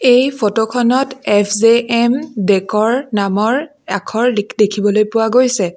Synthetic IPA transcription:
ejpʰotokʰɔnɔtɛpʰzeɛmdɛkɔɹnamɔɹ | akʰɔɹdekʰibɔlojpʊwaɡojsɛ

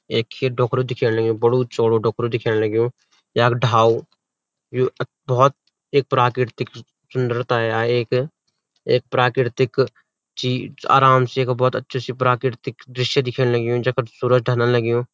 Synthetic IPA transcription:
eːkʰːeɖɔːkʰɾod̪ɪkʰeːnelɐɡijõbəɽut͡ʃoːɽoɖɔːkɾod̪ɪkʰeːnelɐɡjõː | jaeːkɖʱaːu | joː | bɔːt̪̚ | eːk̚pɾaːkɾɪɾt̪ɪk | sʊ̃nd̪əɾt̪aːaeːk | eːk̚pɾaːkɾɪɾt̪ɪk | t͡ʃiːa̰ːɾaːmseeːkbɔːt̪ɐtːʃʰesipɾaːkɾɪɾt̪ɪkd̪ɾɪʃjad̪ɪkʰenelɐɡijõd͡ʒɐksuːɾəd͡ʒɖʱənalɐɡijõː

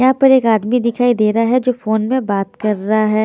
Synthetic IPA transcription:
ɐɦãpɐɾeːkaːd̪mid̪ɪkʰaːid̪eːɾaɦɛd͡ʒoːfoːnmẽbaːt̪kɐɾːaɦaɦɛː

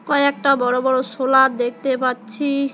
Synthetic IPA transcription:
kɔeɛk̚ʈabɔɽobɔɽosolad̪ek̚t̪epatːɕʰi

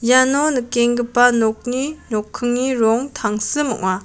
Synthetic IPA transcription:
janɔnɯkeŋɡɯpanɔk̚ninɔkʰːɯŋniɾɔŋt̪ʰaŋsɯmɔ̰ʔ̚ma

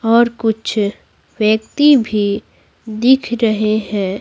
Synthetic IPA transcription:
ɔːɾkʊt͡ʃʰ | wjəkt̪ibʱi | d̪ɪkʰɾɐɦeɦɛ̃ː

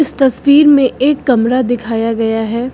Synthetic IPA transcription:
ɪst̪ɐswiːɾmẽeːkːɐmɾad̪ɪkʰaːjaɡɐjaɦɛː

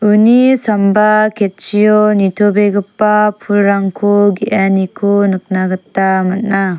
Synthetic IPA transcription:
unisɔmbakʰet̚t͡ʃijɔnitʰobeɡɯpːapʰulɾaŋkʰoɡiʔanikʰunɯk̚naɡɯtːamat̚na

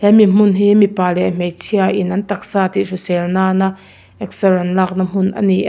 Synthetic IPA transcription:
hɛmim̥ʊnɦiːmipalɛʔm̥ɛjt͡sʰiaʔɪnʔɐnt̪ɐk̚saːt̪isusɛlnaːna | ɛk̚sərɛnlak̚nɐm̥ʊnʔɐ̰niʔ

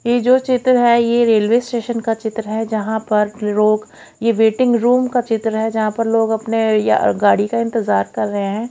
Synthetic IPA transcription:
jed͡ʒoːt͡ʃɪt̪ɾəɦɛjeɾeːlʋeːsʈeːʃənkat͡ʃɪt̪ɾəɦɛd͡ʒɐɦãpɐɾloːɡ | jeʋeːʈɪ̃ŋɡɾuːmkat͡ʃɪt̪ɾɦɛd͡ʒɐɦãpɐɾloːɡɐpneja̰ɡaːɽikaɪ̃nt̪ɪzaːɾkɐɾːɐɦeɦɛ̃ː

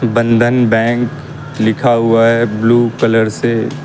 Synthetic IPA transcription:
bə̃nd̪ʱənbɛ̃ːŋk | lɪkʰaɦʊaɦɛbluːkɐləɾse

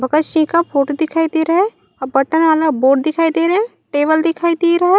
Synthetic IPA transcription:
bʱɐɡətt͡ʃĩkapʰoːʈod̪ɪkʰaːid̪eɾɐɦẽ | bɐʈənaːlaboːɖd̪ɪkʰaːid̪eɾɐɦẽ | ʈeːbəld̪ɪkʰaːid̪eɾɐɦe

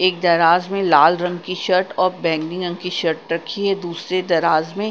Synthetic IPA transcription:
eːk̚d̪ɐɾaːzmẽlaːlɾɐ̃ŋɡkiʃɐɾʈɔːɾbɛ̃ːŋɡnɪ̃ŋɾɐ̃ŋɡkiʃɐɾʈɾɐkʰiɦɛd̪uːsɾed̪ɐɾaːzmẽ

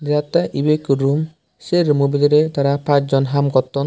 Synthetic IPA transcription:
dat̪aʔibekuɾum | seɾmubid̪ɔɾet̪aɾapãt͡ʃʰd͡ʒɔnɦamkɔt̪ːɔn

